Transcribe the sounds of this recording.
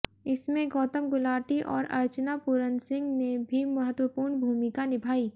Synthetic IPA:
ɪsmẽɡɔːt̪əmɡʊlaːʈiʔɔːɾɐ̰ɾt͡ʃnapʊɾənsɪ̃ŋɡnebʱimɐɦət̪wəpuːɾɳbʱuːmɪkanɪbʱaːiː

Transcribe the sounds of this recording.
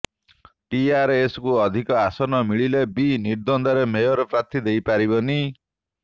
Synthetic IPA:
ʈiaɾeskuɔd̪ʱikɔasɔnɔmiɭilebiniɾd̪ɔnd̪aɾemejɔɾɔpɾat̪ʰid̪ejpaɾibɔni

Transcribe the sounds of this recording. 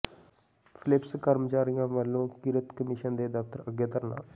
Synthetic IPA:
pʰɪlɪpskəɾmt͡ʃaːɾijãːʋəlːõːkɪɾət̪kəmɪʃənd̪eːd̪əft̪əɾəɡːeːt̪əɾna̰ː

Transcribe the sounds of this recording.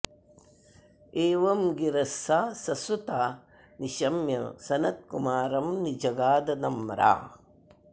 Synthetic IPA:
eːʋɐmɡiɾɐsːaːsɐsut̪aː | niʃɐmjɐ̰sɐnɐt̪̚kumaːɾɐmnid͡ʒɐɡaːd̪ɐnɐmɾa̰ː

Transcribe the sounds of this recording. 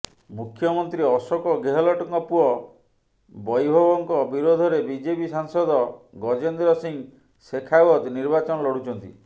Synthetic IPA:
mukʰːjɔmɔnt̪ɾiɔsɔkɔɡeɦɔlɔʈɔŋɔpuɔ | bɔjbʱɔbɔŋkɔbiɾod̪ʱɔɾebid͡ʒepisaŋsɔd̪ɔ | ɡɔd͡ʒend̪ɾɔsiŋ | sekʰaɔd̪niɾbat͡ʃɔnɔlɔɽut͡ʃɔnt̪ḭ

